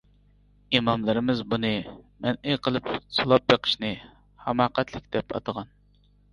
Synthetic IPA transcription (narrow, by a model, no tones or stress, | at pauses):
imɑmlˠɨɾɨmɪzbunɨmɛnejqʰəlˠɨpsɨlˠɑp̚beqʰə̥ʃnɨ | hɑmɑːqæt̪ʰlˠɪkʲd̪̥ɛpʰɑ̰t̪əʁɑn